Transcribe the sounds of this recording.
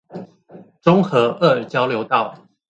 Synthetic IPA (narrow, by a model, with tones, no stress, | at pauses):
ʈ͡ʂʊ˥ŋxɤ˨˧˥ʔə˥˩ə˨˩t͡ɕjɑ˥ʊljo˧˦ʊt̪ɑ˥˨ʊ